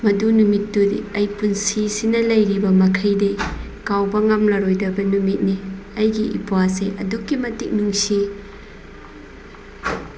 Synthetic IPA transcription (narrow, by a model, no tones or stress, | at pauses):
mɐdunumitːudiɐjpunsisinɐlɐjɾibɐmɐkʰɐjde | kawbɐŋamlɐɾojdɐbɐnumit̚niɐjɡiʔḭpuaseʔɐ̰dukːimɐtik̚nuŋsi